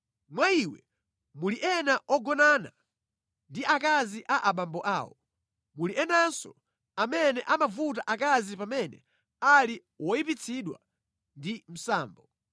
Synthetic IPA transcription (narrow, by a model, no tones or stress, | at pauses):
mwaiwɛ | muliʔɛnaʔɔɡɔnana | ndiʔakaziʔaʔaɓambɔʔa̰ːwɔ | muliɛnansɔ | amɛnɛʔamavutaʔakazipamɛnɛ | ali | wɔipit͡sʰiɗwa̰ | ndim̩saːmbɔ